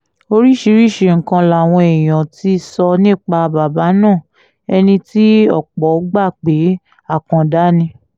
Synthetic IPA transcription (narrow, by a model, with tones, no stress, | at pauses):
o˧ɾi˦ʃi˧˦ɾi˦˨ʃe˧˨ŋ̩˨kã˧la˨w̃ɔ̃˧ɛ˨j̃ã˨ti˨˦sɔ˧nĩ˦˨k͡pa˧ba˨ba˨˦nãː˦˨ | ɛ˧nĩ˧ti˦ɔ̰˦˨k͡pɔ˨˦ɡ͡ba˦˨k͡pe˨˦ | a˦˨kã˧da˦nĩ˧